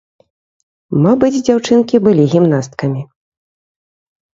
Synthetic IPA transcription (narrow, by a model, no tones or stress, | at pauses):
mabɨd͡zʲd͡zʲawt͡ʂɨnkʲibɨlʲiɣʲimnast̪kɐmʲi